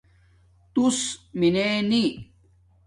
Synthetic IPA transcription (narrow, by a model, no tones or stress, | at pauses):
t̪usmineni